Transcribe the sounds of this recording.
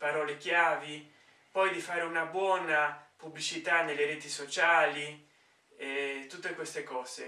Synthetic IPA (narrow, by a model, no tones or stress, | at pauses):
paɾɔːlekjaːvi | pɔjd̪ifaːɾeunabwɔːnapublit͡ʃit̪aneleɾeːt̪isot͡ʃaːli | et̪ːut̪ːekwest̪ekɔːze